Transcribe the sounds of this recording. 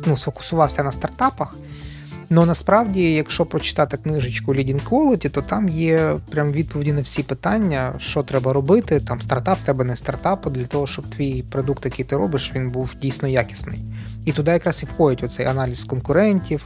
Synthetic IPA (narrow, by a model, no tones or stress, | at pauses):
nusfɔkʊ̥sʊʋɑwsʲɐnɐst̪ɐrt̪ɑpɐx | nɔnɐspɾɑwdʲijɐkʃt͡ʃɔpɾɔt͡ʃɪ̥t̪ɑt̪ɪknɪʒɪt͡ʃkʊlʲidʲinkʋɔlˠɔtʲit̪ɔt̪ɑmjɛpɾʲamʋʲid̪̚pɔʋʲɪdʲinɐwsʲipɪt̪ɑnʲːɐʃt͡ʃɔt̪ɾɛbɐɾɔbɪt̪ɪt̪ɑmst̪ɐrt̪ɑp̚t̪ɛbɛnɛst̪ɐrt̪ɑpʊd̪lʲɐt̪ɔɦɔʃt͡ʃɔb̚t̪ʋʲijpɾɔd̪ukt̪jɐkɪjt̪ɪɾɔ̰bɪʃʋʲinbuwdʲijsʲnɔjakʲɪ̥snɪ̰jit̪ʊd̪ɑjɐkɾɑsiwxɔdʲɪtʲʋɔt̪sɛjɐnɑlʲiskɔnkʊɾɛnʲtʲiw